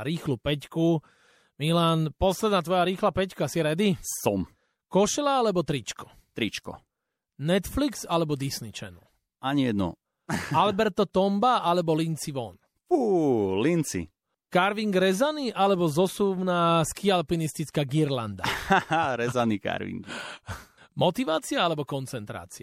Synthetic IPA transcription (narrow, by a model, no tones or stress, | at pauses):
ɾiːxluːpɛcku | milaːnpɔslɛd̪naːt̪ʋɔjaɾiːxlapɛckaasiɾɛd̪isɔm | kɔʃɛlaalɛbɔt̪ɾit͡ʃkɔ̥ | t̪ɾit͡ʃkɔ̰ | nɛt̪fliksalɛbɔd̪isnit͡ʃɛ̰nṵl | aɲiɛd̪nɔ̰ | albɛɾt̪ɔt̪ɔmbaʔalɛbɔlint͡siʋɔn | fuːlint͡sḭ | kaɾʋiŋɡɾɛzaniʔalɛbɔzɔsumnaskialpinist̪it͡skaːɡiɾland̪aɾɛzanika̰ɾʋḭŋɡi | mɔt̪iʋaːt͡siaalɛbɔkɔnt͡sɛnt̪ɾa̰ːt͡sia